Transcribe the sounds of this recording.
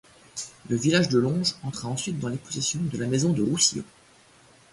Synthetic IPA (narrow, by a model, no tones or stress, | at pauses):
ləvilaʒd̪əlɔ̃ʒɑ̃t̪χaɑ̃sɥit̪̚d̪ɑ̃leposesjɔ̃d̪əlamezɔ̃d̪əʁusiõ̰